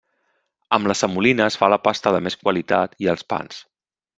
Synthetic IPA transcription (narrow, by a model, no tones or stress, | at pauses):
əmləsəmulinəːsfaləpast̪əðəmeskwəlit̪at̪iəlˠspa̰ns